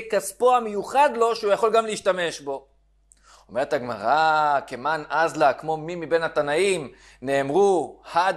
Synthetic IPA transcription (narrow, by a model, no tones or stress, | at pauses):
kaspoamejuχad̪lo̞ʃeujaχo̞lɡamleiʃtame̞ʃbo̞ | ome̞ethaɡma̰ʁakemanazlakmo̞mimibe̞nhat̪anaim | ne̞ːmʁuhad